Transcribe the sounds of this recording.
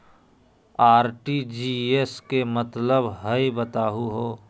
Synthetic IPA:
aːɾʈid͡ʒieskemət̪ləbɦəibət̪aːɦuɦoː

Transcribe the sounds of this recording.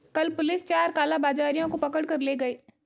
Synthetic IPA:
kɐlpʊlɪst͡ʃaːɾkaːlabaːd͡ʒaːɾijõkopɐkəɽkɐɾleːɡɐeː

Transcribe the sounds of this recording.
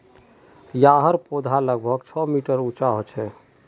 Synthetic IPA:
jaɦəɾpod̪ʱaləɡ̚bʱəɡt͡ʃʰɔmiʈəɾut͡ʃaɦot͡ʃʰɛ

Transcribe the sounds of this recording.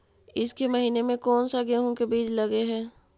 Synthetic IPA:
ɪskemɐɦiːnemẽkɔːnsaɡeːɦõkebiːt͡ʃlɐɡeɦɛː

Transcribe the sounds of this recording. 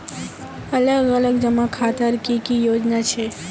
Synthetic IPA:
ələɡələɡ̚d͡ʒəmãkʰat̪əɾkikijod͡ʒnat͡ʃʰe

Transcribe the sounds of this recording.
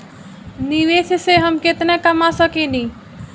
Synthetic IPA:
niʋesʰseɦəmket̪nekəmasəkeni

